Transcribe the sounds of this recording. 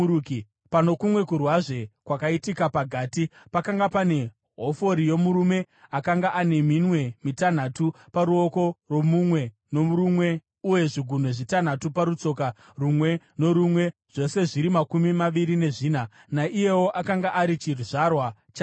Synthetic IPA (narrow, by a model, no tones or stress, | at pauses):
uki | pano̞kumwe̞kurwaʐe̞kwakaitikapaɡʱaːtipakaŋɡapane̞ | ɦo̞fo̞ɾije̞muɾume̞ | akaŋɡaʔane̞minwe̞mitan̤atupaɾuo̞ko̞rwo̞mumwe̞ | no̞urumwe̞ | uje̞ʐiɡʱun̤e̞ʐitanatupaɾut͡so̞ka | rumwe̞ | no̞ɾumwe̞ʐ̥o̞se̞ʐiɾimakumimaʋiɾine̞ʐiːna | naʔije̞wo̞ʔakaŋɡaʔaɾit͡ʃiruʐarwat͡ʃa